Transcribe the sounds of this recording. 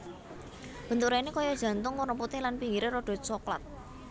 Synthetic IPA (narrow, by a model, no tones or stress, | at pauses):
b̥ə̤nt̪uɾainikɔjɔd̥ʒ̥ä̤nt̪ʊŋwuɾəmput̪elanpiŋɡiɾeɾɔɖ̥ɔ̤t̪̚sɔkla̰t̪̚